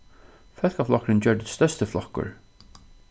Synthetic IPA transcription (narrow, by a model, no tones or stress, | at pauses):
fœlkaflɔkɾɪnt͡ɕœɹd̪ɪ̥st̪œst̪əflɔhkːʊ̰ɹ